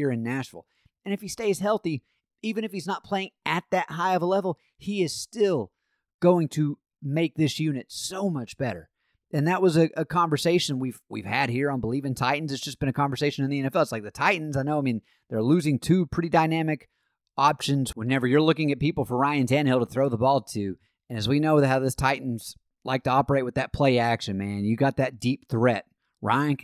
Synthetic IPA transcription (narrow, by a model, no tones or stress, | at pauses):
ɹɨ̃nːæt͡ʃɹl̩ˠ | ɨ̃nɨfisteɪz̥ɦɛlˠθi | ivɨ̃ñɨfhiznət̚pʰl̥eɪɪ̃ŋʔɨt̪̚ðɨt̚haɪʌvəlɛvl̩ˠ | iɪz̥stɪlˠ | ɡ̥oʊɪ̃ŋtʰɨ | meɪk̚ðɪsjʉnɨtsoʊmʌt͡ʃb̥ɛɾə̰˞ | ɨ̃nðɨt̚wʌzɨʔɨkʰɑ̃ɱvə˞seɪʃɨ̃nwivwḭv̥ɨd̚hiɹãɪ̃nbəlivɪ̃ntʰaɪʔn̩zɨtsd̥ʒ̥ʌsb̥ɨ̃ñɨkʰɑ̃ɱvə˞seɪʃɨ̃nɨ̃nðiɛ̃nɛfɛlˠətslaɪk̚ðɨtʰaɪʔn̩zaɪnoʊaɪmĩn | ðə˞lʉzɪ̃ŋtʰʉpʰɹ̥ɪɾidãɪnæmɨk | ɑpʃɨ̃nzwə̃nɛvə˞jə˞lʊkɪ̃ŋɨt̚pipl̩ˠfə˞ɹãɪɨ̃ndæ̃nhɪlˠtəθɹoʊðəbɔlˠtʰʉ | ɨ̃nɨzwinoʊðhaʊðɪstʰaɪʔn̩z̥ | la̰ɪk̚tʰɨɑpə˞eɪt̚wɨðɨt̚pʰl̥eɪækʃɨ̃nmæ̃njɨɡɑt̪̚ðɨt̚d̥ip̚θɹɛt̚ | ɹã̰ɪɨ̃n